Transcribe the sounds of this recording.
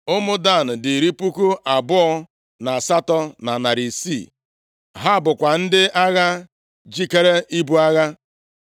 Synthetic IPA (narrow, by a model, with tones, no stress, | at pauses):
ʊ˦mʊ˦da˦˨n̩˨dɪ˨ɾi˦pu˦ku˦ʔa˨bʊ˦ɔ˦ | na˨sa˦tɔ˦na˨na˨ɾi˨sḭ˦˨ | ɦa˦˨bʊ˨kʷa˨n̩˦dɪ˦ʔa˦ɣa˦ | d͡ʒi˦ke˦ɾe˦ʔi˦bu˦a˦ɣa˦